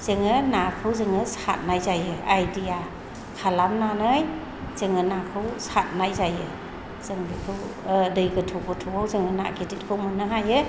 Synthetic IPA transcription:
z̥ɯŋɯnakʰɯwzɯŋɯsa̰t̚najzajɯajdia | kʰalamnanɯj | z̥ɯŋɯnakʰɯwsat̚najzajɯ | z̥ɯŋbikʰɯw | dɯjɡɯtʰuɡɯtʰuwawzɯŋɯna̰kʰidit̚kʰɯwmɯnːɯɦajɯ

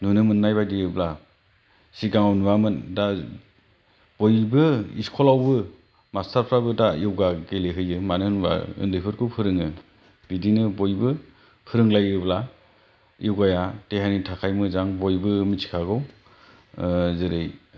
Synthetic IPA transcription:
nunɯmɯnːajbajdijɯbla | siɡaŋawnuwamɯnda | b̥ojbɯḭskʰɔlawbɯ | mastaɾpʰɾabɯdajiwɡaɡeleɦɯjɯmanɯnba̰ɯ̰ndɯjpʰɯɾkʰuwpʰɯɾɯŋɯ | bidinɯbojbɯ | pʰɯɾɯŋlajɯbla | ɯwɡajateɦanitʰakʰajmɯzaŋbojbɯmisʰi̥kʰaɡɯw | zɯɾɯj

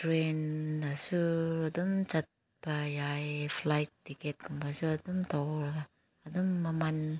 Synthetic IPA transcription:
tɾendasuadumt͡ʃat̚ | pajajflajtːiket̚kumpasuadumtawlɡaː | dumːaman

